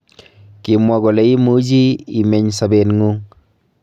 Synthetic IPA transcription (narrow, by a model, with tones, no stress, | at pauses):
ki˨mwa˨ɡo˨le˨˦i˦mu˦d͡ʒi˦i˨me˨ɲsa˨be˨nŋu˦ŋ